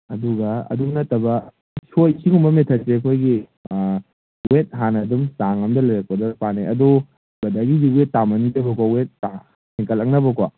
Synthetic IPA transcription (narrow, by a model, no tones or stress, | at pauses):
ɐduɡɐɐ̰dumnɐtɐbɐ | sojsikumbɐmetʰɐt̚sekʰojɡi | wet̚ɦanɐdumsaŋɐmdɐlɐjɾɐk̚pɐdɐpaneɐdu | bɐdaɡidiwetːamɐnidɐbɐkwawet̚ːa | sɛŋkɐlɐk̚nɐbɐkwa